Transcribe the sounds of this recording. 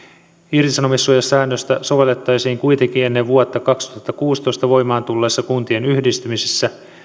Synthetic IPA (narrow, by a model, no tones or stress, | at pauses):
irt̪isɑno̞misːujɑsæːnːøst̪æso̞ʋe̞lːe̞t̪ːɑjsiːŋkujt̪eŋk̟ie̞nːeʋʋuot̪ːɑkɑkst̪uhɑt̪ːɑkuːst̪o̞jst̪ɑʋo̞jmɑːnt̪ulːeːsːɑkunt̪ie̞nyhdist̪ymisesːæ